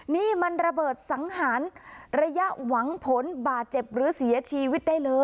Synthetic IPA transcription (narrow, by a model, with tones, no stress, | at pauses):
niː˥˩ma˧nɾa˧bɤː˨˩t̪̚sa˩˦ŋhaː˩˦nɾa˧ja˦˥ʔwa˩˦ŋpʰo˩˦nbaː˨˩t̪̚t͡ɕe˨˩p̚ɾɯː˩˦si˨˩˦ɐt͡ɕʰiː˧wi˦˥t̪̚daː˥˩jlɤː˧